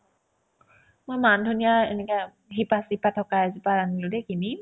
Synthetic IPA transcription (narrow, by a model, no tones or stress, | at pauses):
mojmandʱunijaḛnɛka | ɦipasipatʰɔkaazipaɹanilodɛkini